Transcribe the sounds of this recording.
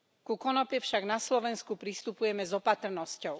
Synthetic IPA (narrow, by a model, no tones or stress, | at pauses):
kukɔnɔpjɛfʃaɡnaslɔʋɛnskupɾist̪upujɛmɛzɔpat̪r̩nɔscɔʊ